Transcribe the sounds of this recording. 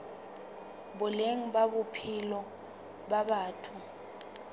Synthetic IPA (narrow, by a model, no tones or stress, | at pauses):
ɓuleŋ̩ɓaɓupʰilɔ | ɓaɓaːtʰu